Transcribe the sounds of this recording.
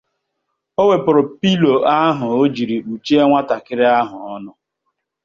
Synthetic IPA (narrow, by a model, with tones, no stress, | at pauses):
o˦we˨pʊ˨ɾʊ˨pi˦lo˨a˦ɦʊ˨o˦d͡ʒi˨ɾi˨k͡pu˨t͡ʃe˦e˦ŋʷa˦ta˨kɪ˦ɾɪ˦a˦ɦʊ˨ɔ˦nʊ˦